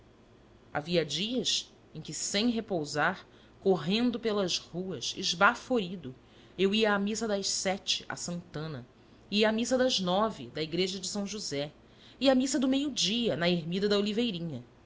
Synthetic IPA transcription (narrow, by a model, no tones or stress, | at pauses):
a̰viɐd͡ʒiɐs | ẽj̃kʲɪsẽj̃ɦepowzaɾ | koɦẽnd̪ʊpelɐzhuɐʃɪ̰ʒbafoɾid̪ʊ | ewiɐːmisɐd̪ɐʃsɛt͡ʃɪ̥ʔa̰sɐ̃nt̪ɐ̃nɐ̰ | iɐːmisɐd̪ɐznɔvɪ̰d̪ɐiɡɾeʒɐd͡ʒɪsɐ̃w̃ʒuzɛ | iamisɐd̪ʊmejud͡ʒiɐnɐeɾmid̪ɐd̪ɐolivejɾĩɲɐ